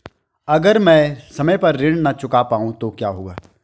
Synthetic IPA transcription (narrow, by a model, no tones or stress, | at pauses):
ɐɡəɾmɛ̃ːsɐməjpɐɾːɪɽ̃nɐt͡ʃʊkapaːũt̪okjaːɦoːɡaː